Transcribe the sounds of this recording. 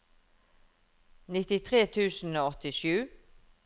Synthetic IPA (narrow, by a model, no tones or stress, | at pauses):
nɪt̪ɪt̪ʰʁeːt̪ʰʉːsn̩oːɔt̪ɪʃʉː